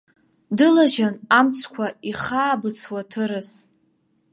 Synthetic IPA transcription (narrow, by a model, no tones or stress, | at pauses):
dɨlaʒanamt͡sʰkʷʰaiχaːbɨt͡sʰwatʰɨɾɨz